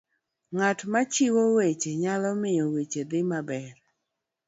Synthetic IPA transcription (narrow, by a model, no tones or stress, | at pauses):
ŋatmat͡ʃiwowet͡ʃeɲalɔmɪjɔwet͡ʃed̪ɪmabɛr